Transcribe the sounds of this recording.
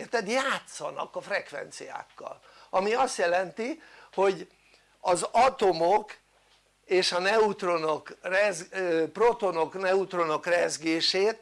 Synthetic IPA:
ert̪ɛd̪jaːt̪sːɒnɒ̰kɒfrɛkʋɛ̰nt̪sija̰ːkːɒ̰l | ɒmiɒst̪jɛlɛnt̪iho̞ɟ | ɒzɒt̪o̞mok | eːʃɒnɛut̪ro̞nokrɛzpro̞t̪o̞no̞knɛut̪ro̞no̞krɛzɡeːʃeːt̪

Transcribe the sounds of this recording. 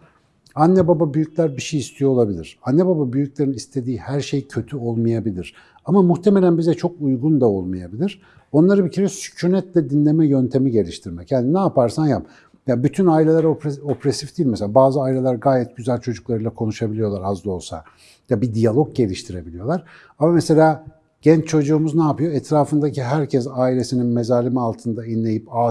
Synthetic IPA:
anːɛbababyjyclʲæɾbiʃejist̪ʰijo̞lˠabilʲiɾ̥anːebababyjyclʲe̞ɾinist̪ʰe̞d̪iːhæɾʃejcʰø̞t̪ʰyo̞lˠmajabilʲiɾ̥ | amamuxt̪ʰemelʲænbizɛt͡ʃʰo̞kujɡund̪ao̞lˠmajabilʲiɾ̥ | o̞nlˠaɾɯbicʰiɾɛsy̥cʰonɛt̪lʲɛd̪inlʲe̞mɛjønt̪ʰe̞miɟe̞lʲiʃt̪ʰiɾmɛcjaːninaːpaɾsanjap | jabyt̪ʰynaːilʲelʲæɾopo̞pɾesifd̪̥ijilʲmɛselʲaːbaːzɯaːilʲe̞lʲˠaɾɡaːjɛt̪̚ɟyzælʲt͡ʃʰo̞d͡ʒuklˠaɾɯjlˠakʰo̞nuʃabilʲijo̞lˠaɾazd̪ˠo̞lˠsa̰ | jabid̪ijalˠo̞k̚ɟe̞lʲiʃt̪ʰiɾe̞bilʲijo̞lˠaɾ̥ | amamese̞lʲaː | ɟ̥ɛnt͡ʃt͡ʃʰo̞d͡ʒuːmuznaːpʰɯjo̞ɛt̪ʰɾaːfɯnd̪aciɦæɾcʰɛsaːilʲe̞sininme̞zaːlʲimialˠt̪ʰɯnd̪ainlʲe̞jipaː

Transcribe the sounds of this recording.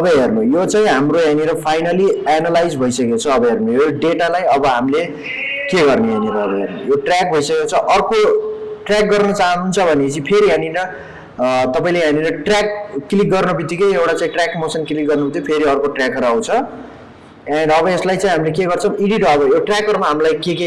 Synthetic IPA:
ʌbʌɦernojot͡saĩɦamroɦaniɾʌpʰajnalianalajd͡zbʱʌjsʌkekot͡sʰʌːbʌɦernojoɖeʈalajʌbʌɦamile | keɡʌrneɦaniɾʌːbʌɦernojoʈrak̚bʱʌisʌkekot͡sʰʌʔʌrkoʈrak̚ɡʌrnʌt͡saɦʌnunt͡sʰʌbʱʌnet͡sĩpʰeɾiɦãninʌ | t̪ʌpaĩleɦaniɾʌʈrak̚ːilik̚ɡʌrnʌbit̪ikʌjewʈat͡sãĩʈrakmosʌnkilik̚ɡʌrnobit̪jopʰeɾiʌrkoʈrakʌɾaũt͡sʰʌ | ãnɖʌβʌeslajt͡sãĩɦamilekeɡʌrt͡sʰʌ̃iɽiʈʌbʌjoʈrakʌrmaɦamlajkeke

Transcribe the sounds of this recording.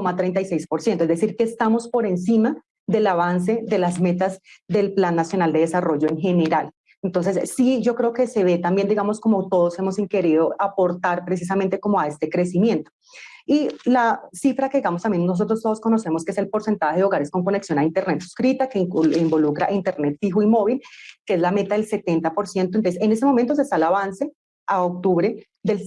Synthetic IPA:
komat̪ɾejnt̪ajsejspo̞ɾsjent̪oezðd̪esiɾke̞ːst̪amo̞spo̞ɾe̞nsima | ðe̞laβ̞ans̬e̞ðe̞lazme̞t̪azd̪e̞lplanːasjo̞nald̪e̞ðesaro̞ʝo̞eŋxe̞ne̞ɾal | ent̪o̞nse̞sːid͡ʒo̞kɾe̞okese̞βe̞t̪ambje̞nd̪iɣamo̞sko̞mot̪o̞ðose̞mo̞siŋke̞ɾiðoʔapo̞ɾt̪aɾpɾe̞s̬is̬ament̪e̞ko̞moae̞st̪e̞kɾe̞simjẽ̞nt̪o | ilasifɾake̞ðiɡamost̪ambje̞no̞s̬o̞t̪ɾost̪oðosko̞no̞se̞moskeese̞lpo̞ɾse̞nt̪aheðeo̞ɣaɾesko̞ŋko̞neksjo̞naint̪eɾnet̪su̥skɾit̪akeimbo̞lukɾa̰ʔint̪e̞ɾne̞t̪fixuimo̞βilkeeslame̞t̪aðelse̞t̪e̞nt̪apo̞ɾsje̞nt̪ont̪onsesene̞semo̞mẽnt̪os̬est̪aelaβanse̞ | aok̚t̪uβɾe̞ | d̪el

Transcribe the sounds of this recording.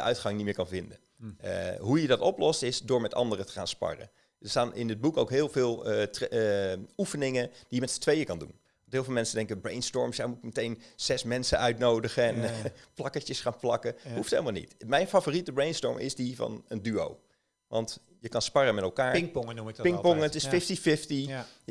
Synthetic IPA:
əʔœ̰ɥtχɑŋnitmɪːɹkɑnvɪndə | əɦujədɑtɔplɔstɪsdʊːɹmɛtɑ̰ndərətə̥χa̰ːnspɑ̰rə̰ | dəstaːnʔɪ̰ndəd̚bukowkɦɪːlˠvɪːlˠt | ufənɪŋəd̥ijəmɛtsə̥tʋejəkɑndṵn | ʋɑntɦɪːlˠvɪːlˠmɛnsədɛŋkəbrejnstɔɹmsjajmutɪkmətejnz̥ɛsmɛnsəœɥtnowdəχəɛnplɑkətjəsχaːnplɑkəhufthejləmalˠnḭtmɛjnfavoːritəbrejnstɔ̰ɹmʔɪ̰zdivɑ̰nəndyo̰w | ʋɑ̰nt | jəkɑnspɑrəmɛtɛlˠkaːɹŋpʊŋənuɪpɪŋkpɔŋətɪsfɪftifɪfti

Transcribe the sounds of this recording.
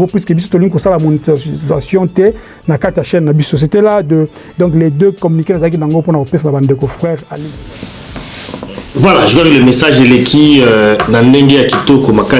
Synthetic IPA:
ɡopwiskəbis̬o̥toliŋɡikosalmonitzasjɔ̃tɛ | nakatejaʃɛnnabisos̬eteladə | dɔ̃kledøkɔmynikenezalak̬inaŋɡoponakopesanabandekofʁɛʁali | vwalaʒukakilemesaʒelekʰinandeŋɡejakitokomaka

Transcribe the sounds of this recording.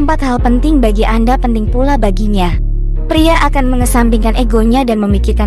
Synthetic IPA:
əmpat̪halpənt̪ɪŋbaɡiʔandapənt̪ɪŋpulabaɡiɲa | pɾiaʔakanməŋəsampiŋkaneɡoɲadanməmikɪrka

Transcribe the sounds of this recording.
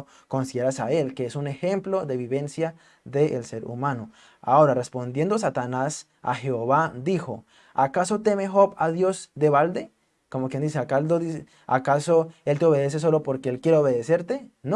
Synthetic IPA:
ko̞nsiðeɾasae̞lkeesune̞xe̞mplo̞ðe̞βiβe̞nsja | ðeʔːlse̞ɾṵmãno | a̰o̞ɾarespo̞nd̪je̞nd̪os̬at̪anas | a̰xe̞oβad̪ixo̰ | akaso̞t̪e̞mexo̞paðjo̞zd̪eβald̪e̞ | ko̞mokjend̪is̬eakald̪oi | a̰kasoe̞lt̪eo̞βe̞ðe̞s̬es̬o̞lo̞poɾkeelkjeɾeoβe̞ðese̞ɾt̪en

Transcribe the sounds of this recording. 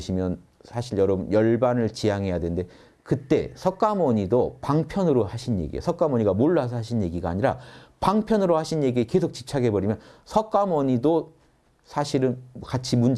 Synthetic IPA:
ɕʰimjʌn | sʰaɕʰiɭjʌɾʌbɯnjʌɭbanɯɭt͡ɕijaŋɦe̞jadwennde̞ | kɯt͈e̞sʰʌk͈amʌɲidopaŋpʰjʌnɯɾohaɕʰinjḛɡḭḛsʰʌk͈amʌɲiɡamoɭːas̬ʰʌaɕ̬ʰinje̞ɡiɡaːɲiɾapaŋpʰjʌnɯɾohaɕʰinje̞ɡieke̞sʰok̚t͡ɕi̥p̚t͡ɕʰaɡe̞bʌɾimjʌnsʰʌk͈amʌɲido | sʰaɕʰiɾɯnkat͡ɕʰimund͡ʑ

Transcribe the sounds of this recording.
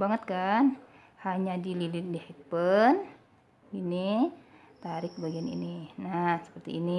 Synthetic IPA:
baŋət̪̚kan | haɲadililɪndihɛk̚pən | ini | t̪aɾɪk̚baɡianḭninasə̥pərt̪ḭːni

